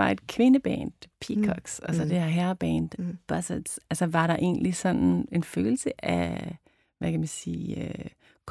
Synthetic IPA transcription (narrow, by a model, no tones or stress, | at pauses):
ɑ̈e̝d̥kʰʋe̝nəb̥ɛ̰ːnd̥pʰikʰɒɡ̥sɒsɒd̥ehæɐɦæɐb̥ɛːnd̥b̥ɒsed̥sælsɐʋɑ̈ɾɑ̈ʔe̝̰ːnlisɒ̽nne̝nfø̰ːl̩səʔæ | ʋækʰæmænsḭːø | kʰ